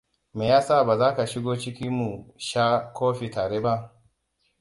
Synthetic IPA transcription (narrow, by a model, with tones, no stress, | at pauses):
meː˨jaː˦saː˦˨baː˨zaː˦ka˨ʃɪ˦ɡoː˦t͡ʃɪ˦kʲi˦mu˨ʃaː˦koː˦ɸi˨taː˨ɾeː˦ba˦ʔ